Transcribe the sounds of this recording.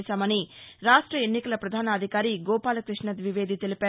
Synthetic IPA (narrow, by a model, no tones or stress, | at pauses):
saːmɐniɾaːʂʈɾɐenːikɐlɐpɾɐd̪ʱaːnɐːd̪ʱikaːɾiɡɔːpaːlɐkɾiʂɳɐd̪ʋiʋeːd̪ʱit̪elipæː